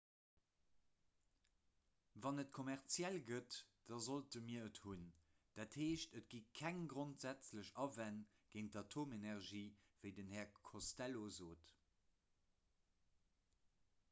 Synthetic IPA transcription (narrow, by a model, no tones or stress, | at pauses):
vɑnətkʰomæʁt͡sjælɡətd̥ɑzoltəmiːɐəthun | d̥æːtheːʃtətɡ̥ikʰæŋɡʁontz̥æt͡sləɕɑvænɡ̥eɪntɑtʰoːmenæʁʒiːv̥əɪdənhɛːɐkʰostælozoːt